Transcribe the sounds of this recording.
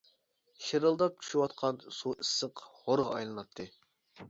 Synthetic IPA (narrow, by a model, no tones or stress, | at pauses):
ʃeɾɨlˠd̪ɑp̚t͡ʃ̪ʲʰy̥ʃywɑt̪qʰɑnsuʔɨsːəqʁoɾʁɑːjlˠɨnɑt̪ʰːɨ